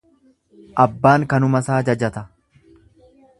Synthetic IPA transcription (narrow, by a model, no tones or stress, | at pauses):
ʔɐbːaːŋkɐnʊmɐsaːd͡ʒɐd͡ʒɐt̪ɐ